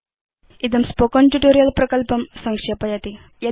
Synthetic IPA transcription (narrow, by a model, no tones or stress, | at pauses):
id̪əmspokɔnʈuʈoɾijəlpɾəkəlpəmsəŋkʂepɐjat̪i | ja